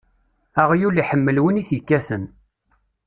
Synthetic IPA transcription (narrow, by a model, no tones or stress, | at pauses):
æʁjuliħəmːəlwəniθjəkːæθən